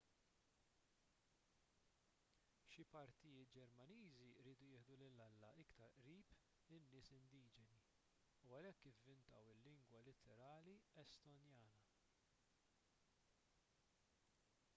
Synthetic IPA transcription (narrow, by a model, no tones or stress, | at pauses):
ʃipɐɾt̪ɪjɪːt̪̚d͡ʒɛɾmɐniːziɾiːd̪ujɪːħd̪ulɪlːɐlːɐʔɪkt̪ɐɾʔɾiːp | lɪnːɪːsɪnd̪iːd͡ʒɛni | uɐlɛkːɪvːɪnt̪ɐwɪlːɪŋɡwɐlɪt̪ʰɛɾɐːliɛst̪ɔnjɐːnɐ